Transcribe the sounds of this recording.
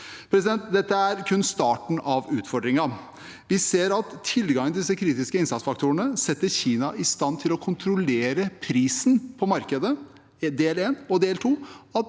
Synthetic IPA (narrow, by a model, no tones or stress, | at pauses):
pʰɾɛsɪd̪ɛnt̪d̪ɛt̪ːəæɾkʰʉnst̪ɑːʈɳ̩ʔɑʋʉːt̪fɔɖɾɪŋɑ | ʋɪseːɾɑt̪ʰːɪlɡɑŋəɪd̪ɪsːəkʰɾiːt̪ɪskəɪnsɑt̪sfɑkt̪ʰuːəɳəsɛt̪ːəçiːnɑʔɪst̪ɑnt̪ʰɪlɔkʰʊnt̪ʰɾʊleːɾəpʰɾiːsn̩pʰɔmɑɾkəd̪ə | d̪eːleːnɔd̪eːlt̪ʰuːɑt̪